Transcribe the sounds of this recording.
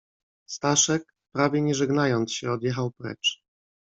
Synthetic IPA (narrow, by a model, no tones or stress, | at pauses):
st̪aʂɛk̚ | pɾavʲjɛɲɛʐɛɡnajɔnt̪sɕɛɔd̪jɛxawpɾɛ̰t͡ʂ